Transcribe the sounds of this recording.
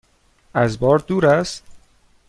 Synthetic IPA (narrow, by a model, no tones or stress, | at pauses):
æzbɒːɾd̪uːɾæst̪